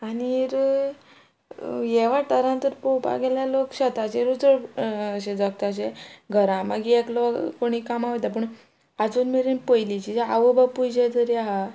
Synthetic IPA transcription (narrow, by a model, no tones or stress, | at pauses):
aniɾ | jeʋaʈəɾãnt̪əɾpopa̰ɡɛljalokɕət̪at͡ɕeɾut͡səɭəɕed͡zək̚t̪at͡ɕeɡʱəɾãmaɡieklokoɽ̃ikamaʋət̪ap̬əɳ | ad͡zuːnmeɾinpəjlit͡ɕid͡ʑea̰ʋəbapud͡ʑet̪əɾjaɦa